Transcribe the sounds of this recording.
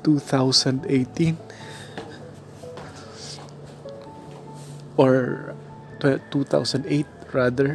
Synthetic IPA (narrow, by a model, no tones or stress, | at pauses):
t̪uːθawsɐ̃nd̪ejt̪ĩn | ʔɔɹ | t̪ɛt̪ut̪a̰wsɐ̃nd̪ʔejt̪̚ɹad̪ɛɹ